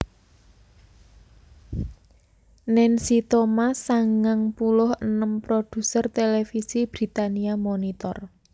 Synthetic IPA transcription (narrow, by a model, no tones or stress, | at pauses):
nɛnsit̪omasaŋaŋpulʊhənəmpɾod̪̥ṳsərt̪elefisib̥ɾi̤t̪aniamonit̪ɔr